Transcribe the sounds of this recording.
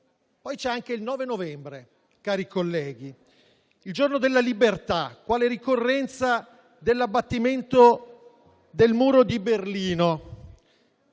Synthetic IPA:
pɔjt͡ʃɛaŋk̟eilnɔːvenovɛmbɾe | kaːɾikolːɛːɡi | ild͡ʒornod̪elːalibert̪akːwaːleɾikorːɛnt̪sa | d̪elːabːat̪ːiment̪o | d̪elmuːɾod̪iberliːno

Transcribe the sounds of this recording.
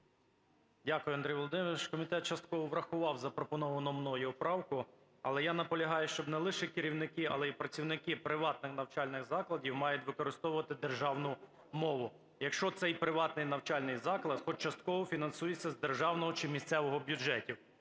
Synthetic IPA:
dʲakʊjʊɐnd̪ɾijʋɔlˠɔd̪ɪmʃkɔmʲit̪ɛt̪̚t͡ʃɐst̪̚kɔʋɔʋɾɐxʊʋɑwzɐpɾɔpɔnɔʋɐnɔmnɔjʊɔpɾɑwkʊ | ɐlˠɛjanɐpɔlʲɐɦɑjʊʃt͡ʃɔbnɛlˠɪʃɛkɪɾʲiwnɪkɪɐ̰lˠɛipɾɐt͡sʲiwnɪkɪpɾɪʋɑt̪nɪxnɐwt͡ʃɑlʲnɪɣzɑklˠɐdʲiwmɑjʊtʲʋɪkɔɾɪst̪ɔwʊʋɐt̪ɪd̪erʒɑwnʊ | mɔʋʊ | jɐkʃt͡ʃɔt̪sɛjpɾɪʋɑt̪nɪjnɐwt͡ʃɑlʲnɪjzɑklˠɐt̪xɔt͡ʃɐst̪̚kɔɦɔfʲinɐnsujet͡sʲːɐzd̪erʒɑwnɔɦɔt͡ʃɪmʲist̪sɛʋɔɦɔbʲjud͡ʒɛtʲiw

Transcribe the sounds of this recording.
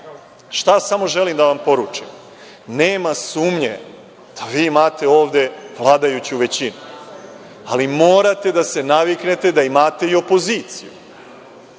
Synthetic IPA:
ʃt̪asamo̞ʒe̞limd̪aʋampo̞ɾuːt͡ʂim | neːmasuːmɲe̞̰ | d̪̥aʋiːmaːt̪e̞o̞ːʋd̪e̞ʋlˠaːd̪ajut͡ɕuʋe̞t͡ɕinu | alimo̞ːɾat̪e̞d̪ase̞naʋikne̞t̪e̞d̪aimaːt̪e̞io̞po̞ziːt̪sijṵ

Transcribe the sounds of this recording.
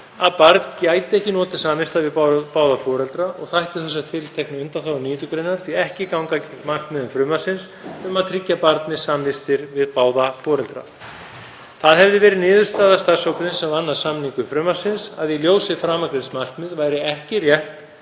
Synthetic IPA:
aðpaɾt̪ncaːjt̪ɪɛhcɪnɔːt̪ɪ̥saːmvɪst̪aðvɪðpaːwðafɔːɾɛlt̪ɾaʔɔɣθajht̪ɪθɛsaht̪fɪlt̪ʰɛhknɪʏnt̪anθawniːt̪ʏkɾɪnːaɾ̥θviɛhcɪkawŋkamar̥k̪mɪðʏmfɾʏːmasɪns | ʏmaðt̪ʰɾɪcːapaɾt̪nɪsaːmvɪst̪ɪɾvɪðpaːwðafɔːɾɛlt̪ɾa̰ | θaðɦɛvðɪvɛːɾɪðnɪːðʏ̥st̪aːðast̪ar̥sowkʏsɪnsːɛmvanːḁsamniŋkʏfɾʏːmaɾ̥sɪnsaðiljoːwsɪfɾaːmakɾejt̪smar̥kmɪðvaːjɾɪɛhcɪrjɛht̪

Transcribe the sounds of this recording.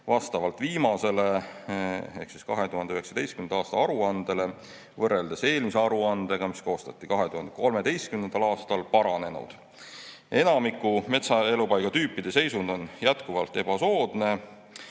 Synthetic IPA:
vɑst̪ɑvɑlt̪viːmɑse̞le | e̞̰hksi̥skɑɦe̞t̪uhɑnd̪eyheksɑd̪e̞jst̪kymnd̪ɑːst̪ɑɑɾuɑnd̪̥e̞le̞ | vɤrːe̞ld̪̥ese̞ːlmiseɑɾuɑnd̪̥e̞ɡ̥ɑmisko̞ːst̪ɑt̪ːˑikɑɦe̞t̪uhɑnd̪eko̞lme̞d̪e̞jst̪̚kymnend̪̥ɑlɑːst̪ɑlpɑɾɑne̞nṵd̪̥ | e̞nɑmikːume̞t̪sɑe̞lupɑjɡ̥ɑt̪yːpˑːid̪̥e̞se̞jsund̪o̞njæt̪kuvɑlt̪ˑːe̞b̥ɑso̞ːd̪̥ne̞

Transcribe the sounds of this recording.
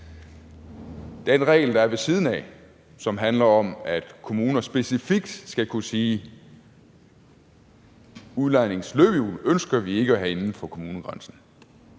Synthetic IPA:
d̥enʁɛ̰ɪld̥ɑ̈æɐʋe̝siːð̞ˠn̩ɛ̰ | sɒ̽mɦænlɐɒ̽mæd̥kʰo̝muːnɐsb̥e̝sifiɡ̥̚d̥sɡ̥ækʰusiː | uðˠlɑ̈ɪne̝ŋsløb̥əjṵːlønsɡ̥ɐʋie̝ɡ̥əæɦæe̝nn̩fɒ̽kʰo̝muːnəɡ̥ʁɑnsn̩

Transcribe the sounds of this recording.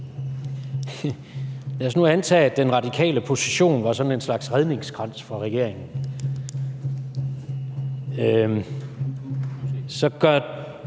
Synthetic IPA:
jæsnuænt͡sʰɛ̰ːæ̥enʁɑ̈d̥ikʰɛ̰ːləpʰo̝siɕo̝̰ːnʋɑ̈sɒ̽ne̝nslɑ̈ɡ̥sʁeð̞ˠne̝ŋsɡ̥ʁɑ̈n̰sfʁɑ̈ʁɛɡ̥e̝ɐ̰eŋn̩ | sɒ̽ɡ̥ɶ

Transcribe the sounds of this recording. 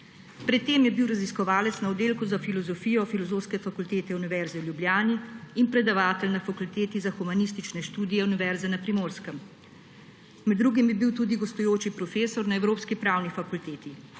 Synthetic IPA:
pɾɛt̪ːeːmjɛbiwɾaziskɔʋaːlɛt̪snaɔd̪eːlkuzafilɔzɔfiːjɔfilɔzoːwskɛfakult̪eːt̪ɛuniʋɛɾzɛwljubljaːniːnpɾɛd̪aʋaːt̪ɛlnafakult̪eːt̪izaxumanist̪it͡ʃnɛʃt̪uːd̪ijɛuniʋɛɾzɛnapɾimoːɾskəm | mɛd̪ːɾuːɡimbibiwt̪uːd̪iɡɔst̪ɔjoːt͡ʃipɾɔfeːsɔɾnaɛwɾoːpskipɾaːwnifakult̪eːt̪i

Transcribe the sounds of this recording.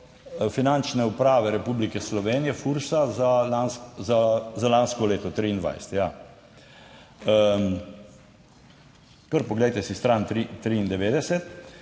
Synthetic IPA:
finant͡ʃnɛupɾaːʋɛɾɛpublikɛslɔʋeːnijɛfuɾsazalanszazalanskɔleːt̪ɔt̪ɾiːnd̪ʋa̰jsɛ̥t̪ja | kəɾpɔɡlɛjt̪ɛsist̪ɾant̪ɾit̪ɾiind̪ɛʋeːd̪ɛsɛt̪

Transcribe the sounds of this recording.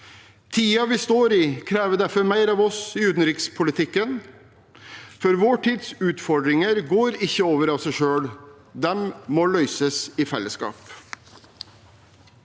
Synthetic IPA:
t̪ʰiːɑʋɪst̪oːɾiːkʰɾæːʋəd̪æɾfɔɾmæɪɾɑːʋɔsɪʉːt̪n̩ɾɪkspʰʊlɪt̪ʰɪkːən | fɔɾʋoːʈʰiːd̪sʉːt̪fɔɖɾɪŋəɾɡoːɾɪçːəoːʋəɾɑʋsæɪʃøːɽ | d̪ɛmmɔːlœʏsəsɪfɛlːəskɑ̰ːp

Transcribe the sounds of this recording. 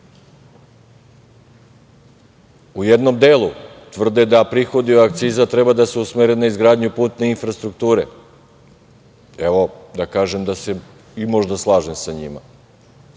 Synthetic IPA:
ujed̪no̞md̪eːlˠut̪ʋr̩d̪ed̪apɾixo̞d̪ioak̚t̪siːzat̪ɾe̞bad̪aseusmeɾenaizɡɾaːd̪ɲupuːt̪ne̞infɾast̪ɾuk̚t̪uːɾḛ | eʋo̞d̪akaːʒemd̪ase | imo̞ʒd̪aslˠaːʒemsaɲima̰

